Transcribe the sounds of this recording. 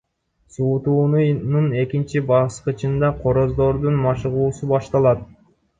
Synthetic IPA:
suːt̪uːnunune̞kint͡ʃibɑsqɯt͡ʃɯnd̪ɑqʰo̞ɾo̞zd̪o̞ɾd̪unmɑʃɯʁuːsubɑʃt̪ɑlˠɑt̪̚

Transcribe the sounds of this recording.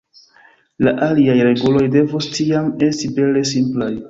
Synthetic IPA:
laʔaliajɾe̞ɡulo̞jde̞vostiame̞stibe̞le̞simplaj

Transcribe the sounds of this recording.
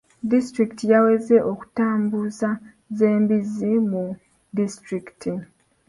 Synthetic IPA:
distɾiktijawe̞ze̞ʔo̞ku̥taːmbuza | ze̞ːmbizimu | distɾiktʰi

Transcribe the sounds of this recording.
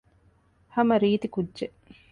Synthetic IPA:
hɐmɐɾiːt̪ikudːʒe

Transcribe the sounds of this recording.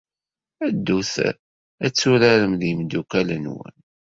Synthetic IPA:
æd̪ːuθ | æt͡sːʊɾaɾəmðimd̪ukælənwə̰n

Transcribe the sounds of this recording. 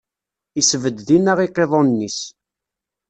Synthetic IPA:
isəvəd̪ðinəʁiqːeðˤonːis

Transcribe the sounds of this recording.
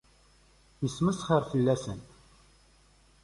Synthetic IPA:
jəsməsχəɾfəlːæsənt

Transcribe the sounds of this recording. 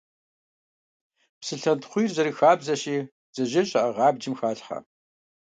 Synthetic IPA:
psɨɬɐntχʷujrzɐɾiːxaːbzɐɕiː | z̥ɐʒɐɕʼɐʔɐʁɑːb̚d͡ʒɪmxaːɬħɐ̰

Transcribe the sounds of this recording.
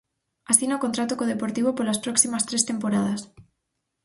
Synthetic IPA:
asinaokont̪ɾat̪okoð̞epoɾt̪iβ̞opolaspɾoksimast̪ɾest̪e̞mpoɾað̞as

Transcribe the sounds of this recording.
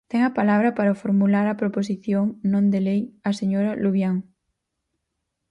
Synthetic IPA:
t̪ɛŋɐpalaβ̞ɾɐpaɾɐfoɾmulaɾɐpɾoposiθjoŋnõnd̪elejɐseɲoɾɐluβjaŋ

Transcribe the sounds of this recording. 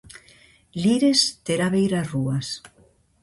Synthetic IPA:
liɾest̪eɾaβejɾasruas

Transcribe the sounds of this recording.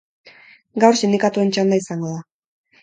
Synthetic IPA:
ɡawɾʃind̪ikat̪uent͡ʃand̪aisaŋɡoða

